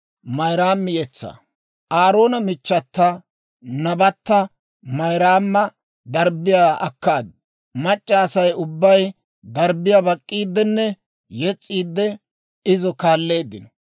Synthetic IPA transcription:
mɐjɾaːmːɪjɛt͡sːɐ̰ | ʔaːɾo̞ːnɐmɪt͡ʃːɐt̪ːɐ | nɐbɐt̪ːɐ | mɐjɾaːmːɐ | d̪ɐɾbɪjaːʔɐkːaːd̪ | mɐt͡ʃʼːɐːsɐjʊbːɐj | d̪ɐɾbɪjabɐkʼːiːd̪ːɛnːɛ | jɛt͡sʼːiːd̪ːɛ | ɪzɔkaːlːe̞ːd̪ːɪnɔ

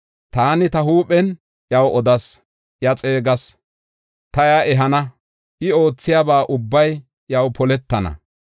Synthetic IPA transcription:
t̪aːnɪt̪ɐɦuːpʼɛn | jɐwɔd̪ɐs | jɐt͡sʼe̞ːɡɐs | t̪ɐjaʔɛɦɐnɐ | ʔɪo̞ːt͡sːɪjaːbaːʔʊbːɐj | jɐwpɔlɛt̪ːɐnɐ̰

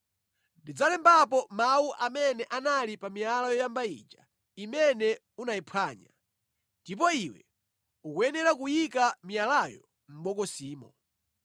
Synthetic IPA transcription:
ndid͡zalɛmbap̬ɔmauʔamɛnɛʔanalipamialajɔjambaḭd͡ʒa | imɛnɛ | unaipʰaːɲa̰ | ndip̬ɔiwɛ̰ | ukuɛnɛɾak̬ujikamijalajɔ | m̩ɓɔkɔsiːmɔ

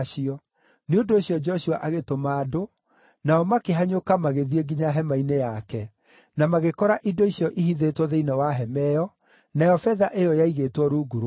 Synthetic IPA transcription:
ʃiɔ | neondoːɕiɔd͡ʒɔɔʃuaʔaɣetomaːdo | naɔmakeɦaɲokamaɣeðieɡiɲaɦɛmainejakɛ | namaɣekɔɾaʔidoisijɔʔihiðetwɔðeinawaɦɛmɛjɔ | najɔfɛðaʔejɔjaiɣeːtwɔɾuɡuɾo

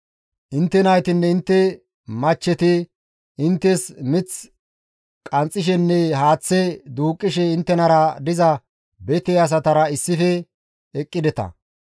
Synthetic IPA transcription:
ʔɪnt̪ːɛnɐjt̪ɪnːɛɪnt̪ːɛ | mɐt͡ʃːɛt̪ɪ | ɪnt̪ːɛsmɪt͡s | kʼɐnt͡sʼːɪʃ̬ɛnːɛɦaːt͡sːɛd̪uːkʼːɪʃɛɪnt̪ːɛnɐɾɐd̪ɪzɐ | bɛt̪ɛɐs̬ɐt̪ɐɾɐɪsːɪfɛː | kʼːɪd̪ɛt̪ɐ̰

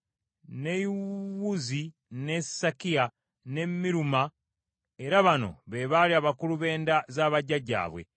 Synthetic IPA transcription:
ne̞iwuzi | nesakia | ne̞mːiɾuma | eɾaβano̞̰βe̞βaliaːβakuluβe̞ːndazaːβaɟːaɟa̰ːβwe̞̰

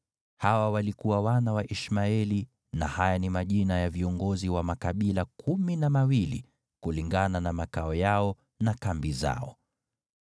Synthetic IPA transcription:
hawawalikuwawanawaʔiʃmaɛli | nahajanimaʄinajaviɔŋɡɔziwamakaɓilakʰuminamawilḭ | kuliŋɡananamakaɔjaɔ | nakambiza̰ɔ

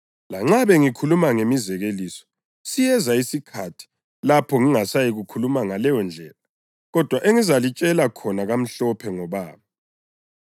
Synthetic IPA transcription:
laŋ͡ǁaβɛŋikʰulumaŋemizɛɣelisɔ̥ | sijɛzaisikʰatʰi̥ | lapʰɔŋiŋasajiɣukʰulumaŋalɛjɔnd͡ɮʱɛːla | ɣɔd̥ʱwaʔeŋizalit͡ʃʼɛlakʰɔnaɣam̩ɬɔpʰɛŋɔβaːβa

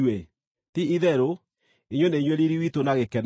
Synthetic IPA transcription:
we | tiiðɛɾo | eɲwoneɲweɾiɾiwitonaɣekɛn

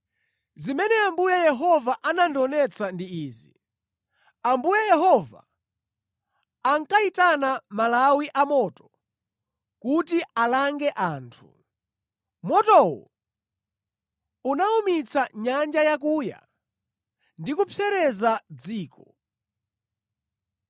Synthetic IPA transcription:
zimɛnɛambujajɛɦɔvaʔanandɔnɛt͡sʰandiiːzi | ambujajɛɦɔva̰ | ŋkaitanamalawiʔamɔtɔ̥ | kutialaŋɡɛʔaːntʰu̥ | mɔtɔwɔ̰ | unaumit͡sʰaɲand͡ʒajakuːja̰ | ndikupʰɛɾɛzad͡ziːkʰɔ

